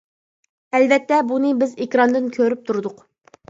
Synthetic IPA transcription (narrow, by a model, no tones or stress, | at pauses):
ɛlvɛt̪ːɛbunɨbɪzekʲɾɑnd̪ɨnkʲʰøɾyp̚t̪ʰuɾd̪ʊq